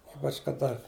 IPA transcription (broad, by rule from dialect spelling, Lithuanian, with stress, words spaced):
ˈiːpɐt͡ʃ kɐˈdɐ